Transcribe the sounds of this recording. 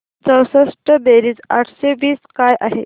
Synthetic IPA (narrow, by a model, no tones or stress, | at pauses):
t͡səwsəʂʈəbeɾiːd͡za̰ʈʰɕeʋiːskajʔaɦe